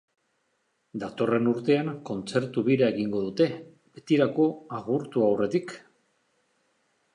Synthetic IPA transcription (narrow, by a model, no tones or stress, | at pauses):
d̪at̪o̞re̞nuɾt̪e̞aŋko̞nt͡se̞ɾt̪uβiɾae̞ɣiŋɡo̞ðut̪e̞ | be̞t̪iɾako̞aɣuɾt̪uawre̞t̪ik